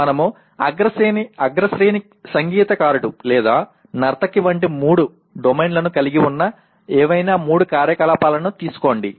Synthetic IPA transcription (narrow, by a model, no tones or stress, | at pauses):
mɐnɐmu | ɐ̰ɡɾɐseniɐɡɾɐsɾeːni | sɐŋɡiːt̪ɐkaːɾuʈulɛːd̪aː | nɐɾt̪ɐkːiʋɐɳʈ̬imuːɽu | ɖomejnlɐnukɐliɡiunːɐ | ɛːʋɐjnaːmuːɽukaːɾjɐkɐlaːpaːlɐnut̪iːsu̥ko̞ːɳɖḭ